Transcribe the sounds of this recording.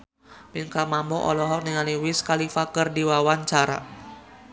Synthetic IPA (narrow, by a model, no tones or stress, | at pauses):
piŋkamambɔʔɔ̰lɔɦɔk̚niŋaliwɪskalifakərdiwawaɲt͡ʃaɾa̰